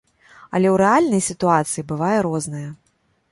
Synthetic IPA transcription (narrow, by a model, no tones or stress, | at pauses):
ɐ̰lʲɛwɾɛalʲnɐjsʲit̪uat̪sɨjibɨvajɛɾɔznɐjɐ